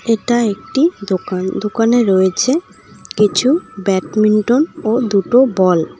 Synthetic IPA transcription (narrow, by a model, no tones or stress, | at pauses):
eʈaek̚ʈid̪okand̪okaneɾoet͡ɕʰe | kit͡ɕʰubɛʈmiɳʈomod̪uʈobɔl